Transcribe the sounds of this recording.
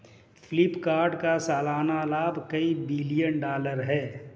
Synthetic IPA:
fʰlɪpkaːɾɖkasaːlaːnalaːbʱkəibɪlijənɖaːləɾɦɛː

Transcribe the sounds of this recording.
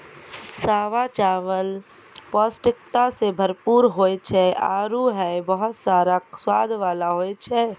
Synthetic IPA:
saːʋat͡ʃaːʋəl | pɔːsʈɪkt̪asebʱəɾpuːɾɦoːt͡ʃʰɛa̰ːɾuɦɛbəɦʊt̪saːɾaswaːd̪ʱʋaːlaɦoːjt͡ʃʰɛ

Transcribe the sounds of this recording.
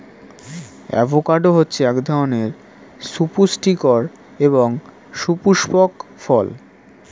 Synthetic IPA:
ɛ̰bʱokaɾɖoɦotːɕʰeɛkd̪ʱaoneɾ | supusʈikoɾ | eβoŋ | ʃupuʃpɔkfɔl

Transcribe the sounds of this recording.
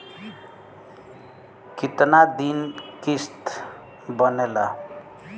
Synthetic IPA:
kit̪nad̪inkist̪ | bʌnela

